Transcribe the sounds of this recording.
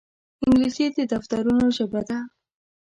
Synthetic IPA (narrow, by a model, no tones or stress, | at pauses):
ɪŋɡlisid̪əd̪aft̪aɾunoʃabad̪a